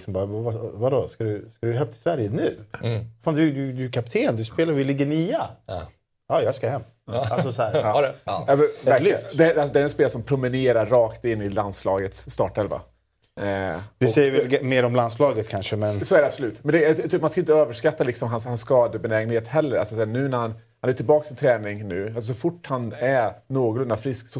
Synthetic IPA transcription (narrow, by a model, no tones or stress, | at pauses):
lɪksɔmbɑːɾavavad̪ɔskad̪ʉskad̪hɛvt̪ʰɪ̥svæɾjənʉ̟ːfaːnd̪ɵd̪ɵd̪ɵkʰap̚t̪ʰeːnd̪ɵspeːlaɾvɪlɪɡːəniːa | ɑːjɑskahɛmː | alsɔsɔæːɾɑːɛɛvæɾld̪ɛalsɔd̪ɛæɾɛnspeːlsɔmpʰɾʊmɪneːɾaɾːɑːkt̪ɪnːɪland̪slɑːɡət̪sːt̪ɑːʈɛlva̰ | d̪ɪsɛjəɾvɛmeːɾɔmlanslɑːɡət̪kʰanʂəmɛnsɔæɖɛab̥sɔlʉ̟ːt̪mɛnd̪ɛjt̪ʰːmanskaɪnt̪əøːvəʂkat̪ːalɪksɔmɦanshanskɑːd̪əbɛnɛːɡənheːt̪hɛlːəɾalsɔsɛːnʉ̟ːnæɾhan | hanæʈʰɪlbɑːkst̪ɪnt̪ʰɾɛːnɪŋnʉ̟ːalsɔs̬ɔfʊʈːhanænoːɡlɵnd̪afɾɪsksɔ